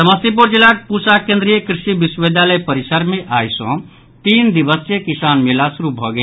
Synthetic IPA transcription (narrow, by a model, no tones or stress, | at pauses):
səməst̪ip̬uɾd͡ʒelak̚pusakẽnd̪ɾijekɾisibisʋed̪ʱaləjpəɾisəɾmeʔajsɔ̰̃ | t̪ind̪ibəst͡ʃekisanmelasuɾubʱɔɡe